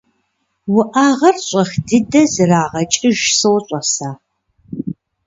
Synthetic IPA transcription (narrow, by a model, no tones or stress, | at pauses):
wʊʔaːʁɐrɕʷʼɐxdɨdɐzɨraːʁɐt͡ʃʼɪʒsɨwɕʼɐsaː